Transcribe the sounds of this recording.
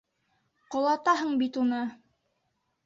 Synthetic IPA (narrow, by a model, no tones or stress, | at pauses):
qŏlˠɑt̪ɑɦɤɴbit̪unɤ